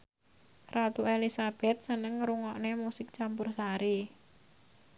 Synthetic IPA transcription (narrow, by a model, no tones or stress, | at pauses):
rʔat̪uelisab̥ɛt̪̚sənəŋɾuŋɔʔnemusɪk̚t͡ʃampʊrsaɾi